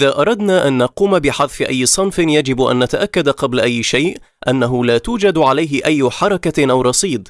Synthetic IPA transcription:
ʔɪðaːʔɑɾˤɑd̪naːʔanːɑquːmabɪħɑðˤfɪʔajːɪsˤɑnfɪjad͡ʒɪbʔa̰nːat̪aʔakːad̪aqɑblaʔajːɪʃajʔ | ʔanːaɦʊlaːt̪uːd͡ʒad̪ʕalajɦɪʔajːʊħɑɾˤɑkaʔawɾˤɑsˤiːd̪ˤ

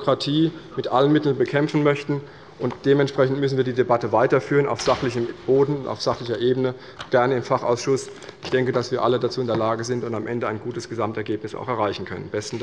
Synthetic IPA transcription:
kʁ̥atʰiːmɪtʔalənmɪtl̩nbəkʰɛmfn̩mœçtn̩ | ʔʊntd̥eːmɛntʃpʁ̥ɛçn̩tmʏsn̩viːɐdiːdebatəvaɪtɐfyːʁəna̰ʊfz̥aχlɪçəmb̥oːdn̩ʊnta̰ʊfz̥aχlɪçɐʔeːbənə | ɡ̥ɛɐnəɪmfaχa̰ʊsʃʊs | ʔɪçd̥ɛŋkədasv̥iːɐʔalədat͡suːɪndeɐlaːɡəzɪntʊntamʔɛndəa̰ɪnɡuːtəsɡ̥əzamtɛɐɡeːpnɪsa̰ʊxɛɐaɪçn̩kʰœ̰nə̰nb̥ɛstn̩

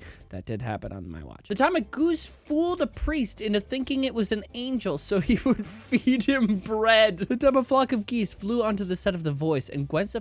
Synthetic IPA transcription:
ðɨ̰t̚d̥ɨd̚ɦæ̰pɨ̰̃nə̰̃nma̰ɪwɑ̰t͡ʃðɨtʰãɪ̃mɨɡ̥usfulˠðəpʰɹ̥istɪ̃ntɨθɪ̃ŋkɪ̃ŋɨʔ̚wʌzɨ̃n̩ẽɪ̃nd͡ʒl̩ˠsoʊiwəd̥fid̚ɪ̃mbɹɛdðɨtʰãməflɑkʌvɡisfluʌ̃ntʉðɨsɛɾʌvðɨvɔɪsɨ̰̃nɡwɛ̃nsɨ

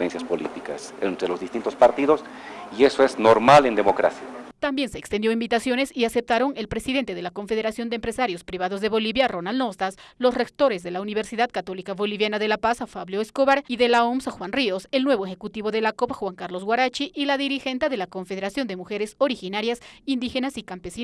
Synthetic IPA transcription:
ensjaspolḭt̪ika̰sent̪ɾelozðist̪int̪ospaɾt̪iðo̞sie̞soeznoɾmale̞nd̪emokɾa̰sjat̪ambje̞nse̞ːkst̪end̪joimbit̪asjo̞ne̞siase̞p̚t̪aɾo̞ŋe̞lpɾesiðe̞nt̪eðe̞lako̞ɱfe̞ðeɾasjo̞nd̪empɾesaɾjo̞spɾiβaðozðe̞βo̞liβjaro̞nalno̞st̪aslo̞srek̚t̪o̞ɾezðe̞launiβ̞eɾsiðaðkat̪o̞likaβo̞liβjanaðe̞lapasafaβljoeskoβaɾiðe̞laomsaxwanriose̞lnwe̞β̞oexekut̪iβo̞ðe̞lako̞paxwaŋkaɾlo̞zɣwaɾat͡ʃiʔːlaðiɾixe̞nt̪aðe̞lako̞ɱfe̞ð̞e̞ɾasjo̞nd̪emuxe̞ɾeso̞ɾixinaɾjasind̪ixe̞nasikampesin

